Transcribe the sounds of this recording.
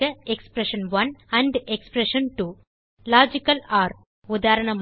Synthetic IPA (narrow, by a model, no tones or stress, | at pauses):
ɐekspɾeʃɐnʋɐnɐɳɖekspɾeʂɐnʈuː | laːd͡ʒikːɐlaːɾ | ʊd̪aːɾɐɳɐm